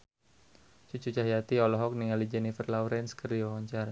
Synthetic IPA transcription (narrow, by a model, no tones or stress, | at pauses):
t͡ʃut͡ʃut͡ʃahjat̪iɔlɔɦɔk̚niŋalid͡ʒɛnifərlawɾɛnskəɾiɔɔɲt͡ʃaɾa